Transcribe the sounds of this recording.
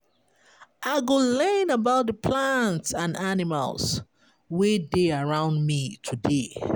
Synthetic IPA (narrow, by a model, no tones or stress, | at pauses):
ʔaɪɡolɜnəbaʊt̚dəpʰlãntsãnanɪma̰ls | wedeəɹãʊ̃ndmitʰude